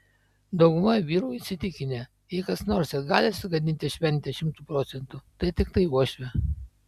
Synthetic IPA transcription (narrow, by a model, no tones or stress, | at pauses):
d̪ɒʊɡʊmɐʋʲiːɾuːisʲɪt̪ʲɪkʲɪnʲe | jɛɪkɐsnoːɾʲsʲɛɡɑːlʲɪsʊɡɐd̪ʲɪnʲt̪ʲɪʃʲʋʲɛnʲt̪ʲɛʃʲɪmt̪uːpɾoːt̪sʲɛnt̪ut̪ɐɪt̪ʲɪkt̪ɐɪuɔʃʲʋʲɛ